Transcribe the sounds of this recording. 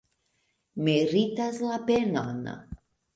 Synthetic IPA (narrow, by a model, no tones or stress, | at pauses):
meɾit̪aslapena̰n